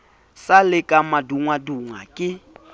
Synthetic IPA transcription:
salɪkʼamaduŋwaduŋwakʼɪ

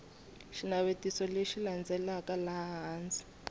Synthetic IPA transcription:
ʃinaβetisɔleʃiland͡zɛlakalaɦɦaːnd͡zi̥

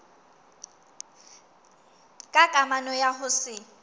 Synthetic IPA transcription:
kʼakʼamanɔjaɦʊsɪ

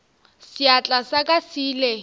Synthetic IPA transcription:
siat͡ɬʼasakʼasiːle

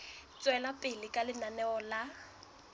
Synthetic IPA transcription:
t͡sʼwɛlapʼɪlɪkʼalɪnanɛɔla

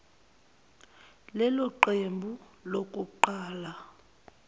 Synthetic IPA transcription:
lɛlɔǃembʱu | lokʼuǃaːla

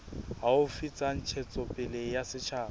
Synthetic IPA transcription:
ɦaʊfit͡sʼan̩t͡ʃʰɛt͡sʼɔpʼɪlɪjasɪt͡ʃʰaː

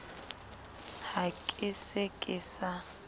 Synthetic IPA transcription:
hakʼɪsekʼɪsa

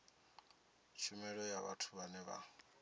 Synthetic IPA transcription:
t͡ʃʰumɛɺɔjaβa̰tʰuβanɛβa̰

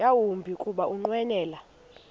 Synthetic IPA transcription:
awumbʱikʼuɓaʔuŋ͡ǃwɛnɛːla

